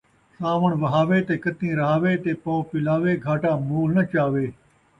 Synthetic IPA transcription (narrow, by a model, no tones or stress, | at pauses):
saːʋəɳʋɐɦaːʋeːt̪eːkət̪ĩːɾɐɦaːʋeːt̪eːpoːpɪlaːʋeːɡʱaːʈaːmuːlnət͡ʃaːʋeː